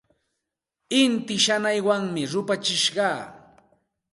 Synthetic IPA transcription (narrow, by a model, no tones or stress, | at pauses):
ɪnt̪ɪʃanajwaŋmɪɾʊpat͡ʃɪʃɢɑː